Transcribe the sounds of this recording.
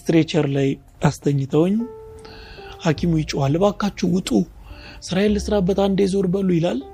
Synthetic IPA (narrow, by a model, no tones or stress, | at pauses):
st̪ɾet͡ʃəɾlaj | ast̪ʰəɲːɨt̪ʰəwɲː | hakʰimujɪt͡ʃʼːwalːɨbakːat͡ʃːuwʊt̪ʼu | sɨɾajɛlːəsɨɾabət̪ʼand̪ezo̞ɾbəlːujɪlal